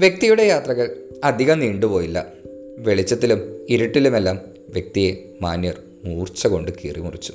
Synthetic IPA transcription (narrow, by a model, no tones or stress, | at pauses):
ʋjek̚t̪ijuɽe̞jaːt̪rɐɣɐɭ | ɐd̪ʱiɣɐmniːɳɖupo̞ːjilːɐ̰ | ʋe̞ɭit͡ɕːɐt̪ːilumiɾʈːilume̞lːaːm | ʋjek̚t̪ije̞ | maːnjɐr | muːrt͡ɕːɐko̞ɳɖɨkiːrimurit͡ɕːu̥